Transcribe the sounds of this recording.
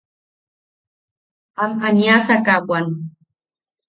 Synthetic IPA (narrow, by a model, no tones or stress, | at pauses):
amaɲasakabwan